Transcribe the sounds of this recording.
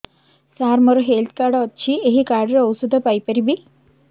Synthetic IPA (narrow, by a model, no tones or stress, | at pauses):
saːɾmɐɾoɦeːlt̪̚ʰkaːɾɖoːtːʃʰieɦikaːɾɖɐɾɐwsud̪ʱɐpɐjpɐɾibi